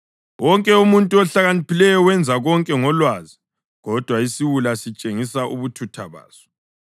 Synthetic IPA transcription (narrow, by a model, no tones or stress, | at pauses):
wʔɔŋkʼɛumuntʼuɔɬaɣanipʰilɛjɔwɛnd͡zʱaɣɔŋkʼɛŋɔlwaːzi | ɣɔd̥ʱwaisiwulasit͡ʃʼeŋisaʔṵβutʰutʰaβa̰ːz̥ɔ̥